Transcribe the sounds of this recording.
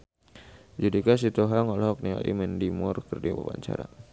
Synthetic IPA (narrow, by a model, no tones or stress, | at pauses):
d͡ʒudikas̬it̪oɦaŋɔlhɔk̚nia̰ʔḭməndimʊrkərdiba̰pa̰ɲt͡ʃa̰ɾa̰